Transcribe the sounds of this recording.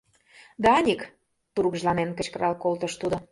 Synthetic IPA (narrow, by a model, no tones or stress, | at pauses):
d̪æɑnʲik | t̪uɾuɣʒlɑnenkə̆t͡ɕkəɾɑlkolt̪ə̆ʃt̪ud̪o